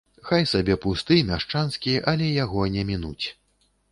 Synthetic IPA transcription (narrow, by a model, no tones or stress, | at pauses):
xajsabʲɛpust̪ɨjnaʂt͡ʂanskʲiʔɐlʲɛjaɣɔnʲɛmʲinut͡sʲ